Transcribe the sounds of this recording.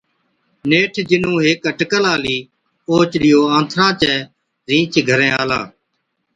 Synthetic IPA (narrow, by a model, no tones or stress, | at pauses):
neːʈʰd͡ʒɪnũːɦɪkəʈkəlaːliː | oːt͡ʃɗɪjoːãːnt̪ʰɾãːt͡ʃɛː | ɾĩːt͡ʃɡʱəɾɛ̃ːaːla̰ː